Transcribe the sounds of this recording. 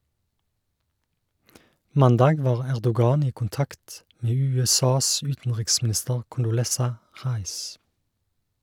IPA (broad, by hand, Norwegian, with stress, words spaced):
ˈmɑndɑːɡ ˈʋɑːʁ ˈæʁdʊˌɡɑːn ˈiː kʊnˈtɑkt ˈmeː ˌʉːɛˈsɑːs ˈʉːtn̩ʁɪksmn̩ˌɪstəʁ kʊndʊˈlɛsɑ ˈʁɑɪs